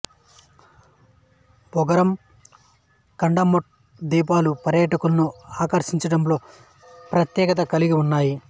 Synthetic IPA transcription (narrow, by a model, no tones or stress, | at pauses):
bɔɡɐɾɐm | kɐɳɖɐmoʈ̚ | d̪iːp̬aːlupɐɾjɐʈɐkulɐnuaːkɐɾʂiɲt͡ʃɐɽɐmlo̞ː | pɾɐt̪jɛːkɐt̪̬ɐkɐliɡiunːaːji